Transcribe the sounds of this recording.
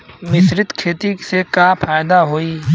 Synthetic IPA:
ʋɪsɾɪt̪kʰeːt̪isekapʰaːjd̪aɦoːiː

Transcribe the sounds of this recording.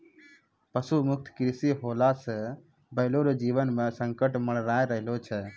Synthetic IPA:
pəsumʊk̚t̪ʰkɾisiɦoːlasə | bəɦloɾod͡ʒiːʋənmesəŋkəʈməɽ̃ɾaːeɾəɦlot͡ʃʰɛ

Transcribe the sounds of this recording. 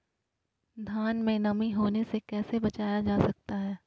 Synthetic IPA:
d̪ʱaːnmẽnɐmiɦoːnesekɛːsebɐt͡ʃaːjad͡ʒaːsɐk̚t̪aɦɛː

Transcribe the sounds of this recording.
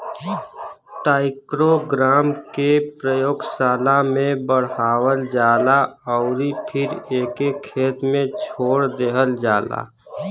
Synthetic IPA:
ʈaːɪkɾoɡɾaːmkepɾəjoːɡsaːlamẽbəɽ̤ɦaːwəld͡ʒaːlaɔʊɾipʰɪɾeːkekʰːeːt̪mẽt͡ʃʰoːɽd̪eɦəld͡ʒaːla̰

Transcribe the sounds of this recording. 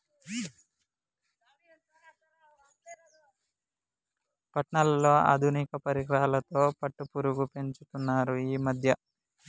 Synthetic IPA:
pɐʈɳɐlɐlo̞ːɐ̰d̪ʱunikɐpɐɾiɡɾɐɦɐlɐt̪o̞ːpɐʈːupuɾuɡupe̞ɲt͡ʃut̪unːaːɾuiːmɐd̪ʱjɐ

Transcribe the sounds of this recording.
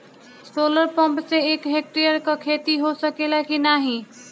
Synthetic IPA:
soləɾpəmpseekɦek̚ʈɾijəɾkɔkʰet̪iɦosəkelakinaɦĩ

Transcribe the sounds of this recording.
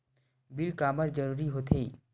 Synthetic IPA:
bɪlkaːməɾd͡ʒɐɾuːɾiɦoːt̪ʰe

